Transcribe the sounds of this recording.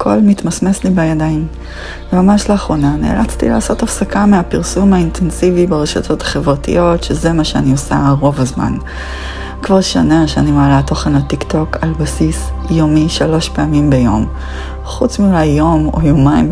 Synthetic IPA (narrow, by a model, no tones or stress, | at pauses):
kʰo̞lmit̪masmeslibajadaim | vemamaʃleaχʁo̞nanḛːlat͡st̪ḭlaːso̞tafsakameapiʁsumhaintʰensivibeʁeʃo̰tʰo̞tʰḁχevʁatḭjo̞tʃeze̞maʃeaniosa̰ʁo̞vazma̰n | kvaʁʃo̰neʃeanimaːlato̞χenlatikto̞kalbasisjomiʃalo̞ʃpeamimbejo̞̰m | χut͡smiulajːo̞mo̰jomajm